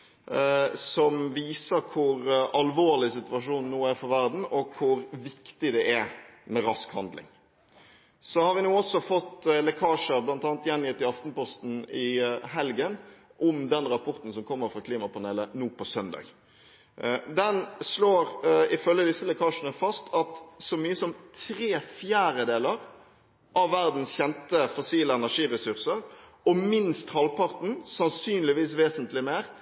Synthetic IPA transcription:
sɔmʋiːsəkʰʊɾɑlʋoːʁlɪsɪt̪ʉɑʂuːnnːuːæɾfɔʋæʁd̪n̩ɔkʰʊɾʋɪkt̪ɪd̪ɛʔæmɛɾɑskhɑnd̪lɪ̰ŋ | sɔhɑɾʋɪnuːɔsɔfɔt̪ːlɛkʰɑːʂəɾblɑnt̪ɑːnt̪jɛnjɪt̪ːɪɑft̪n̩pɔst̪n̩ɪɦɛlɡənʔɔmd̪ɛnɾɑpʰɔʁt̪n̩sɔmkʰɔmːəɾfɾʁɑkʰliːmɑpɑnɛlənuːpɔsœnd̪ɑ̰ːɡ | d̪ɛnsloːɾɪfœlːəd̪ɪsːəlɛkʰɑːʂənəfɑst̪ʰɑt̪sɔmyːəsɔmt̪ʰɾeːfjæːɾəd̪eːləʁ | ʔɑʋːæɾd̪n̩sçɛnt̪əfɔsiːləɛnæʂiːɾəsʉʁsəɾ | ɔmɪnst̪hɑlpɑʁt̪n̩sɑnsyːnlɪʋiːsʋeːsənt̪lɪmeːɾ

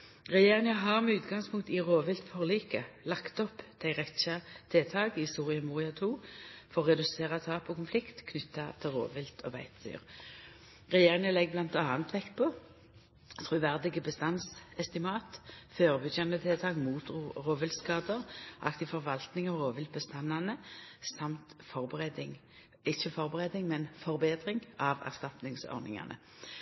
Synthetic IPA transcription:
ʁɛjeːʁɪŋəɦɑʁmɛʉːt̪ɡɑŋspʰʊŋk̚t̪ɪʁoːʋɪlt̪fɔʁliːkəlɑkt̪ɔpːd̪̥æɪʁɛçɑt̪ʰeːt̪ʰɑːɡɪsuːʁɪɑmuːʁɪɑt̪ʰuːfɔʁʁɛd̪ʉseːʁɑt̪ʰɑːpɔkʊnflɪkt̪kʰnʏt̪ːɑt̪ʰɪlʁo̰ːʋɪlt̪ʰɔ̰bæ̰ɪt̪d̪y̰ːʁ | ʁɛjeːʁɪŋəlɛɡ̚blɑnt̪ɑːnət̪ʋɛkːpʰɔ | t̪ʰʁʉʋæʁd̪ɪɡəbəst̪ɑnsɛst̪ɪmɑːt̪føːʁəbʏd̪jɑnət̪ʰɪlt̪ʰɑːɡmuːt̪ʁoːʋɪlt̪skɑːd̪əʁʔɑ̰kt̪ɪfɔʁʋɑlt̪nɪŋɑʁoːʋɪlt̪̚bəst̪ɑnːɑnəsɑmt̪fɔʁbəʁɛd̪ɪŋ | ɪçːəfɔʁbəʁed̪ɪŋmɛnfɔɾbeːd̪ʁɪŋɑʋæ̰ʁst̪ɑt̪nɪŋsɔ̰ʁnɪ̰ŋɑ̰nʔə̰

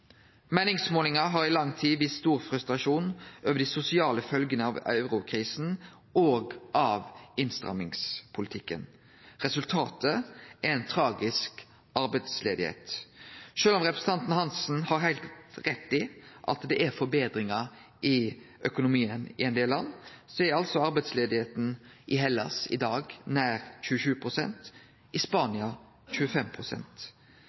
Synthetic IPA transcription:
mæɪnɪŋsmoːlɪŋɑɦɑɾɪlɑŋːt̪ʰiːʋɪsːt̪uːɾfɾʉst̪ɾɑʂuːnʔøːʋəɖ̪ɪsʊsɪɑːləfœlɡənəɑʋɑ̰ʉɾʊkʰɾiːsn̩ | ʔoːɡʔɑʋɪnst̪ʁɑ̰mɪŋspʰʊlɪt̪ʰɪkːə̰n | ɾɛsʉlt̪ʰɑːt̪əɛɾɛnt̪ʰɾɑːɡɪsk | ɑɾbɛt̪slḛːd̪ɪhḛːt̪ʃøːlɔmɾɛpɾəsn̩t̪ɑnt̪n̩hɑnsn̩hɑɾhæɪlt̪ɾɛt̪ːɪʔɑ̰t̪d̪ɛʔɛɾfɔɾbeːd̪ɾɪŋɑ | ʔɪ | œkʊnʊmiːənɪɛnd̪eːlɑnːsɔɛɾɑlsɔɑɾbɛt̪sleːd̪ɪheːt̪n̩ʔɪɦɛlːɑ̰sɪ̰d̪ɑːɡnæːɾçʉːəʃʉːpʰɾʊsɛ̰nt̪ | ʔɪspɑːnɪɑ | çʉːəfɛmpʰɾʊsɛ̰nt̪

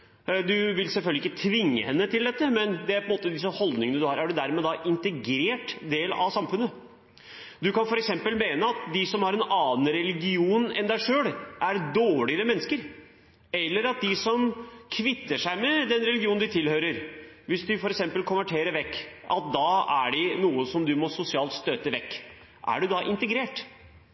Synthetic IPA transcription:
d̪ʉʋɪlsɛlfœlɡəɪkːət̪ʰʋɪŋːə̰hɛnːət̪ʰɪld̪ɛt̪ːəmɛnd̪ɛæɾpʰɔənmoːt̪əd̪ɪsəhɔld̪nɪŋənəd̪ʉhɑːɾæɖʉd̪æɾmɛd̪ɑʔɪnt̪ɛɡɾeːʈd̪eːlɑ̰ʋsɑmfʉnːə | d̪ʉkɑnfɔɾɛksɛmpəlmeːnəɑt̪d̪ɪsɔmhɑɾɛnɑːnɾɛlɪɡɪuːnɛ̰nd̪æɪʂøːɽʔæɾd̪oːɭɪəɾəmɛnːəskəɾ | ɛlːəɾɑt̪̚d̪ɪsɔmkʰʋɪt̪ːəʂæɪmɛd̪ɛnɾɛlɪɡɪuːnnd̪ɪt̪ʰɪlhøːɾəɾʋɪsd̪ɪfɔɾɛksɛmpəlkʰʊnʋæʈʰeːɾəɾʋɛkːʔɑ̰t̪̚d̪ɑæ̰ɖɪnuːəsɔmd̪ʉmɔsʊsɪɑːlt̪st̪øːt̪əʋɛkː | ʔæ̰ɖʉd̪ɑʔɪnt̪əɡɾeːʈ

